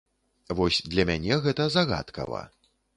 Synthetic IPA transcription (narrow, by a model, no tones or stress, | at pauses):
vɔsʲd̪lʲɐmʲanʲɛɣɛt̪ɐzaɣa̰t̪kɐ̰vɐ̰